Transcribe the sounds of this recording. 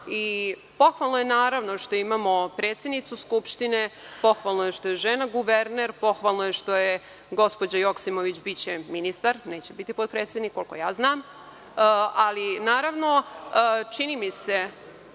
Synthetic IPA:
i | po̞xʋalˠnojenaːɾaʋno̞ʂt̪o̞imaːmo̞pɾe̞ːt̪sjed̪nit̪suskupʃt̪ine̞ | po̞xʋalˠnoje̞ʃt̪o̞jeʒenaɡuʋeɾneɾpo̞xʋalˠnojeʃt̪o̞je | ɡo̞spo̞d͡ʑajoksimoʋit͡ɕbit͡ɕeminist̪aɾne̞ːt͡ɕebit̪ipot̪̚pɾeːt̪sed̪nikːo̞lko̞̰jaːznaːm | alinaːɾaʋno | t͡ʂinimise̞

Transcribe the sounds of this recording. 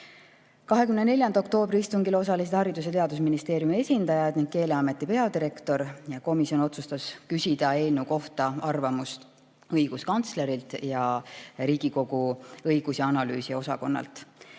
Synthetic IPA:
kɑɦe̞kymnene̞lʲjɑnd̪ɑo̞kt̪o̞ːbriist̪uŋɡilo̞s̬ɑlis̬e̥hɑɾid̪us̬et̪eɑd̪us̬minist̪e̞ːɾjumie̞sʲind̪̥ɑjɑd̪niŋɡ̥̚ke̞ːle̞ɑme̞t̪ːˑipe̞ɑd̪iɾe̞kt̪o̞ɾjɑko̞misjo̞no̞t̪sust̪ɑskysʲid̪̥ɑe̞ːlnuko̞ht̪ɑɑrvɑmust̪ | ɤjɡ̥uskɑnt̪sle̞ɾilt̪ˑjɑɾiːɡ̥iko̞ɡ̥uɤjɡ̥usiɑnɑlyːsio̞sɑko̞nːɑ̰lt̪

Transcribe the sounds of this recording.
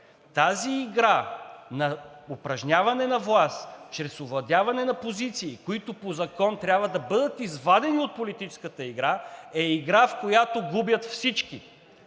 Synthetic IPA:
t̪aziːɡɾanɐʊpɾɐʒnʲavɐnɛnɐvlˠast̪t͡ʃɾɛsʊvlˠɐd̪ʲjavɐnɛnɐpozit̪siːkoit̪ʊpozɐkɔnt̪ɾʲjabvɐd̪ɐbɤd̪ət̪izvad̪ɛniot̪̚polit̪it͡ʃɛ̥skət̪əiɡɾaɛiɡɾafkojat̪oɡubjɐt̪fsit͡ʃki

